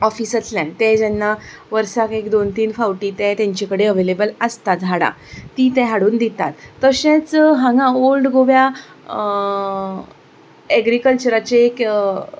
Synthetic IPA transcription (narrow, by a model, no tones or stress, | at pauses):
ɔfiːsət͡slãɳt̪ɛ̃d͡ʑɛnːaʋəɾsakekd̪ont̪iːnfawʈiːt̪ɛ̃t̪ɛ̃ɲt͡ɕikəɽeəʋelebələst̪at̪ɦaɽa̰ | t̪iːt̪ɛ̃ɦaɽuːnd̪it̪a̰t̪ːəɕẽt͡sɦãŋɡãolɖɡoʋja | ɛɡɾikəlt͡ɕəɾat͡ɕeːk